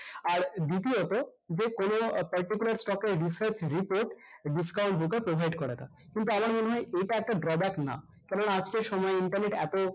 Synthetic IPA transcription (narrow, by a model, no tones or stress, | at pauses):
aɾd̪it̪̬iot̪o | d͡ʑekonopɐɾʈikulaɾsʈɔkeɾɾisəɾt͡ɕɾipoɾʈɖiskawɳʈ̚bukepɾobʱajɖkoɾet̪ʰa̰ | kint̪uamaɾmoneɦɔeejʈaɛk̚ʈaɖɾɔbɛkna̰ | kɛɾonaad͡ʑkeɾʃɔmɔeiɳʈaɾneʈɛ̰t̪o